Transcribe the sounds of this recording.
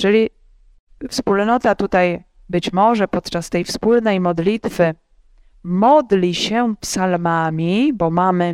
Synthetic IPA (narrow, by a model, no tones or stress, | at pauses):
ʐɛlʲi | fspulnɔt̪at̪ut̪aj | bɘt͡ɕmɔʐɛpɔt̪t͡ʂast̪ɛjfspulnɛjmɔd̪lʲit̪fɘ | mɔd̪lʲiɕɛpsalmamʲibɔmamɘ